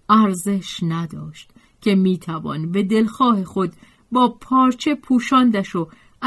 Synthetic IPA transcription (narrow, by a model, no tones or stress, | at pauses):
æɾze̞ʃnæd̪ɒːʃt̪ | cʲʰe̞miːt̪ʰævɒ̰nbe̞d̪e̞lxɒːhe̞xo̞d̪ | bɒːpʰɒːɾt͡ʃʰe̞pʰuːʃɒːnd̪æʃo | æ